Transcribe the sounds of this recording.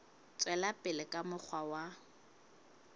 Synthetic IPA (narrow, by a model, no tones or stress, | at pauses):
t͡sʼwɛlapʼɪlɪkʼamʊk͡xʰwawa